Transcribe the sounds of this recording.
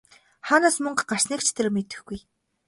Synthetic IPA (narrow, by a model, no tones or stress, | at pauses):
χaːnaːsmɵɴɢɢar̥snikt͡ɕʰt̪ʰĕrmet̪ɘ̆xɡuj